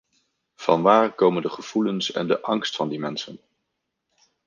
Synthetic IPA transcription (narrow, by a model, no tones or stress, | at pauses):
v̥ɑ̰nʋaːrkowməndəχəv̥ulənsɛ̰ndəʔɑŋstfɑndimɛnsən